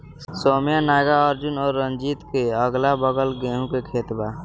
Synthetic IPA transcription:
soːmjanaːɡaəɾd͡ʒʊnɔːɾːənd͡ʒiːt̪keəɡlabəɡəlɡeːɦũkekʰeːt̪ba

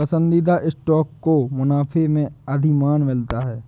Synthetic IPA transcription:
ɐsə̃nd̪id̪aʔɪsʈɔːkːomʊnaːfʰemẽəd̪ʱimaːnmɪlt̪aɦɛː

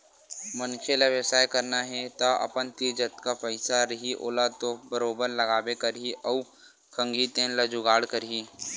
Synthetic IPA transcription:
mɐnkʰelaʋjəsaːjkɐɾnaɦɛt̪aɐ̰pənt̪id͡ʒət̪kapəɪsaɾɐɦiʔo̰ːlat̪obəɾoːbəɾlɐɡaːbekɐɾɦiɔː | kʰə̃ŋɡʱit̪ẽːnlɐd͡ʒʊɡaːɽkɐɾɦiː

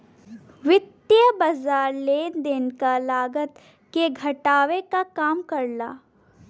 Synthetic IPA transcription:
ʋɪt̪jəbazaːɾleːd̪enkalaːɡət̪ | keɡʱɐʈaːʋekakaːmkɐɾlaː

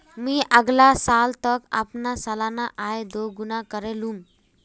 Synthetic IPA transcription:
mĩːʔəɡlasalt̪əka̰pnasəlanaʔaed̪oɡunakəɾelum

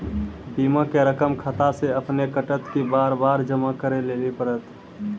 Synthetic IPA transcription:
biːmãkeɾəkəmkʰət̪aseəpnekəʈət̪kibaːɾbaːɾd͡ʒəmakəɾeleːlipəɾət̪

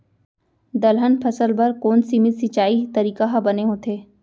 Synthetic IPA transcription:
d̪ɐlɦənpʰɐsəlbɐɾkoːnsimɪsit͡ʃaːit̪ɐɾiːkaɦabɐneɦõːt̪ʰeː

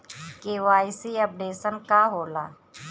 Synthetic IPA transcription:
keʋaːɪsiːɐp̚ɖeːsənkaɦoːlaː

